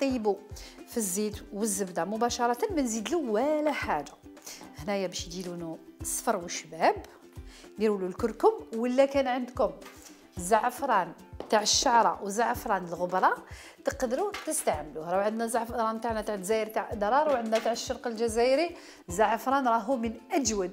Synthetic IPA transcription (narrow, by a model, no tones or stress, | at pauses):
t̪ˤibufizːit̪wəzːəbd̪amʊbæʃɑɾˤɑt̪ənmænzid̪luwælæħad̪ahnæjæbæʃjd̪ilunusˤfɑɾˤwəʃːbæb | jiɾululkʊɾkʊmwəlːækænʕənd̪kʊm | zaʕəfɾˤɑnt̪aʕəʃːaʕɾˤɑwzaʕəfɾˤɑnəlɣʊbɾˤɑ | t̪əqd̪ɾut̪əst̪aʕmluhɾˤɑwʕənd̪næzaʕfɾˤɑnmt̪aʕnæt̪aʕəzæjəɾt̪aʕəd̪ɾˤɑɾˤwʕənd̪næt̪aʕəʃːɑɾˤqəlʒæzæʔɾi | zaʕəfɾˤɑnɾˤɑɦumənʔæd͡ʒwəd̪̚